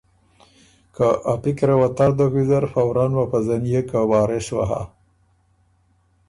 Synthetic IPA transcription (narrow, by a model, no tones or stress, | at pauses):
kaʔapikɾewat̪aɾd̪oɣizaɾfawɾɑnwapazanjekawɑːɾeʃwa̰ɦa̰